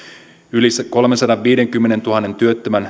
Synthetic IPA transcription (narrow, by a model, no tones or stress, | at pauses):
ylisko̞lmensɑdɑʋʋiːde̞ŋkymːe̞ne̞nt̪uɦɑnːe̞nt̪yøt̪ːømæn